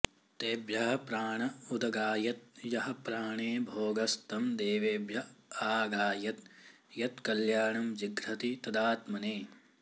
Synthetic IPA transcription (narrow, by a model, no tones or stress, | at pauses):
t̪eːbjɐɦɐpɾaːɳɐud̪ɐɡaːjɐt̪̚jɐɦɐpɾaːɳeːbʱoːɡɐst̪ɐmd̪eːʋeːbjɐaːɡaːjɐt̪̚ | jɐt̪kɐljaːɳɐmd͡ʒiɡɾɐt̪it̪ɐd̪aːt̪mɐneː